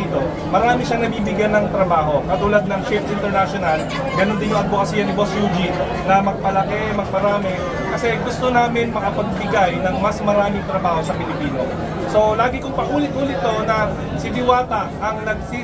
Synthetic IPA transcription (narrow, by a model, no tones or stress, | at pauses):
t̪o̞ | mɐɾaːmɪʃanɐbiːbɪɡjanːɐŋt̪ɾɐbaːɦo̞kɐt̪uːlad̪̚nɐŋt͡ʃɛft̪ʔɪnt̪ɛɹnaʃonɐl | ɡɐnond̪ɪnjoŋʔɐt̪̚bokɐsijɐnɪbosjud͡ʒin | nɐmɐɡ̚pɐlɐkɛmɐɡ̚pɐɾaːmɛ | kɐsɛɡʊst̪onaːmɪnmɐkɐpɐɡ̚bɪɡajnɐŋmɐsmɐɾaːmɪŋt̪ɾɐbaːho̞sɐpɪlɪpiːno̞̰ | so̞laːɡɪkʊŋpɐʔuːlɪt̪̚ʔuːlɪt̪ːo̞nɐ | sɪlɪwaːt̪ɐ | ɐŋnɐɡ̚si